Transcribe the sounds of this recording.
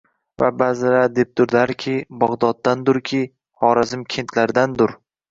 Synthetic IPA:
vabazɪɾad̪e̞p̚d̪ʊɾd̪aɾkʲʰɪbɒʁd̪ɒd̪̚ːand̪ʊɾkʲʰi | hɒɾazɪmkʲʰe̞nt̪ʰlaɾd̪and̪ʊɾ

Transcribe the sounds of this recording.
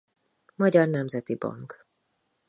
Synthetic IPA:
mɒɟɒrnɛmzɛt̪ibɒ̰ŋk

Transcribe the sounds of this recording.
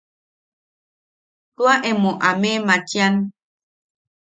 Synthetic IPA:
twaʔemõʔamematjan

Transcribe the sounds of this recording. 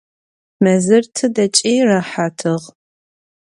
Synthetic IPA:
mɐzɨrtʰɨdɐt͡ʃʼiːrɐħaːtʰɨʁ

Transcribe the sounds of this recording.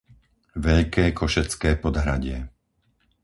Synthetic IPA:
ʋɛʎkɛːkʰɔʃɛt͡skɛːpɔd̪ɦɾaɟɪɛ

